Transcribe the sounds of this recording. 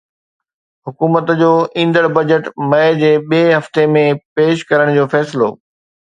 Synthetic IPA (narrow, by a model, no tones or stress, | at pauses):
hʊkuːmət̪d͡ʑoːĩːnd̪əɽbɐd͡ʑəʈmɐed͡ʑeːɓieɦɐft̪emẽpeːʃkɐɾəɽ̃d͡ʑoːfɛːsɪlo̰ː